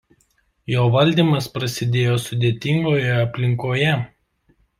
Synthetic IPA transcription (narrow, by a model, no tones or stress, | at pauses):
joːʋɐlʲd̪ʲiːˑmɐspɾɐsʲɪd̪ʲeːjoːsʊd̪ʲeːt̪ʲɪŋɡoːjɛɐpʲlʲɪŋkoːjɛ